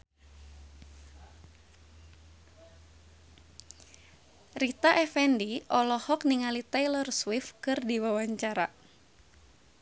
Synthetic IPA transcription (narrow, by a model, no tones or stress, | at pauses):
rit̪aʔɛfɛndiʔɔlɔhɔk̚niŋalit̪ɛlɔrswɪfkɨrdiwawaɲt͡ʃaɾa̰